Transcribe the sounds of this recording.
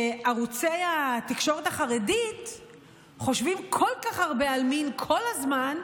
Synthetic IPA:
aʁut͡sejat̪ikʃo̞ʁetaχaʁedit | χo̞ʃvimkʰolkaχaʁbe̞alminkʰo̞lazman

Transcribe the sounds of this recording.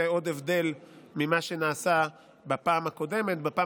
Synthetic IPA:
eo̞d̪evd̪e̞lmimaʃe̞naːsa | bapaːmhako̞de̞met̪̚bapa

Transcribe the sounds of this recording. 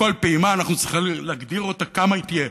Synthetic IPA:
o̞lpeːmaːnaχnut͡sʁiχileaɡd̪iʁo̞t̪akamait̪ije

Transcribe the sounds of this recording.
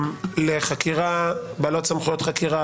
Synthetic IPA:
mleχakiʁabalott͡samχujot̪χakiʁa

